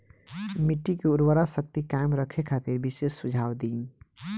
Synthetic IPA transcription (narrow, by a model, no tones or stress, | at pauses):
miʈːikeuɾwəɾasək̚t̪ikaɪmɾəkʰekʰat̪iɾbisesːud͡ʒʱawd̪in